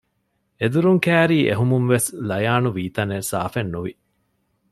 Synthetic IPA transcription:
ed̪uɾuŋkæːɾiːʔḛɦumunʋeslɐjaːnuʋiːt̪ɐnesa̰ːfenːuʋi

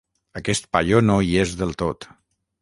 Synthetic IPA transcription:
əkɛst̪̚paʎonoiezðəlˠt̪ot̪

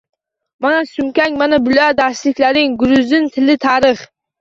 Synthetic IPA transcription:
manasʊŋkʲaŋʲmanabʊlɒjad̪aslɪkʲlaɾɪŋɡʊɾʊzɪnt̪ʰɪlɪt̪ʰaɾɪχ

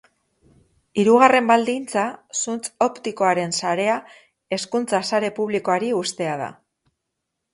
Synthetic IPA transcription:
iɾuɣ̞are̞mbald̪int͡sasunt͡so̞pt̪iko̞aɾe̞nsaɾe̞a | e̞skunt͡sasaɾe̞puβliko̞aɾiust̪e̞aða̰

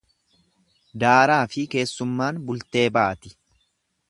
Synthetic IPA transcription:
d̪aːɾaːfɪke̞ːsːʊmːaːnbʊlt̪e̞ːbaːt̪ɪ

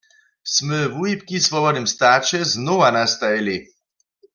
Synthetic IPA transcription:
sməvuip̚kisvɔbɔd̪nimst̪aːt͡ʃɛznoʋanast̪ajeli

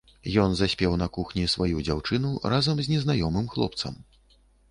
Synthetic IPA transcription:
jɔnzasʲpʲɛwnɐkuxnʲisvajud͡zʲawt͡ʂɨnurazɐmzʲnʲɛznajɔmɨmxlˠɔ̰pt̪sɐ̰m

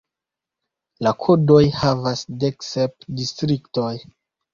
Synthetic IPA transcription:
lakʰodo̞jhavasdeksep̚distɾikto̞j

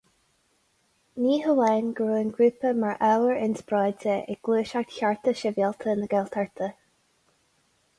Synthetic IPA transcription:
niːɦəlɛnɡɹuːənɡɹuːpəmaɹʔawəɹɪnsbɹɔːdəɛ̰ɡ̥luːʃak̚t̪çaɹt̪əʃɛvjɛlˠt̪ʰənəɡɛlt̪ʰaɹt̪ʰə

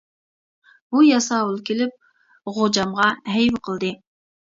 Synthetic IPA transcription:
bujɑsɑwulˠkʲelɪp̚ | ʁod͡ʒɑmʁɑɦɛjwqʰəlˠd̪ɨ

